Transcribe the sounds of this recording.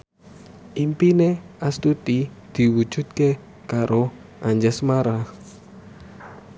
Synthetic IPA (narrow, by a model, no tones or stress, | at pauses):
ʔimpineast̪ut̪id̪̥i̤wud̥ʒ̥ṳd̪̚ke | kaɾo | ʔaɲd͡ʒɛsmaɾah